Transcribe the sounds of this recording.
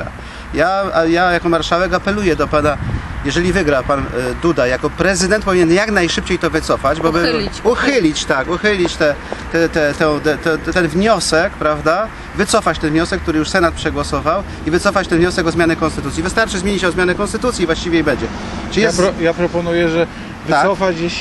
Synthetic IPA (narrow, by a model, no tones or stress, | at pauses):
a̰ | jajajakɔmaɾʂawɛkapɛlujɛd̪ɔpanajɛʐɛlʲivɘɡɾapand̪ud̪ajakɔpɾɛzɘd̪ɛnt̪pɔvʲiɲɛnjaknajʂɘpt͡ɕejt̪ɔvɘt̪sɔfad͡ʑbɔbɨuxɘlʲit͡ɕt̪akuxɘlʲit͡ɕt̪ɛt̪ɛt̪ɛt̪ɛ̃t̪ɛt̪ɛt̪t̪ːɛnvɲɔsɛkpɾavd̪a | vɘt̪sɔfat͡ɕt̪ɛnvɲɔsɛkːt̪uɾɘjuʂsɛnat̪̚pʂɛɡwɔsɔvaw | ivɘt̪sɔfat͡ɕt̪ɛnvɲɔsɛkɔzmʲanɘkɔnst̪ɘt̪ut̪sʲivɘst̪aɾt͡ʂɘzmʲeɲit͡ɕɔzmjanɛkɔnst̪ɘt̪ut̪sjivwaɕt͡ɕivʲɛibɛɲd͡ʑɛ | ʈ͡ʂɨlʲiɛɾɔjapɾɔpɔnujɛʐɛ | vasɔfat͡ɕje